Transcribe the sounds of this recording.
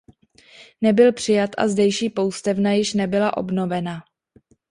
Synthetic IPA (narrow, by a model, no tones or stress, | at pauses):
nɛbɪlpr̝̥ɪjat̪ʔa̰zdɛjʃiːpo̞wst̪ɛvnajɪʃnɛbɪlaʔo̞̰bno̞vɛna